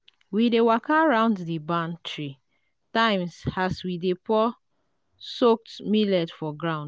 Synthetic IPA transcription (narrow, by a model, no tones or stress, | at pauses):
widewakaɹãʊ̃ndðibãntʰɹi | tãɪ̃msaswidepɔ | sok̚tmilɛtfɔɡɹãʊ̃nd